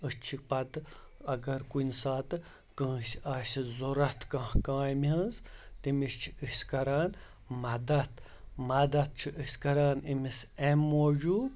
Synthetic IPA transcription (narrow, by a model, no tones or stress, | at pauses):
ət͡ʃʰipɐt̪ɐɡɐɾkunʲsaːt̪ɨ | kə̃ːsaːsʲizuɾɐt̪ʰkɐ̃hkãːjmiə̃nzt̪imist͡ʃʰiɨsʲkɐɾaːn | mɐd̪ɐt̪ʰ | mɐd̪ɐt̪̚t͡ʃʰiʔəsʲkɐɾaːnimisemːoːd͡ʒuːb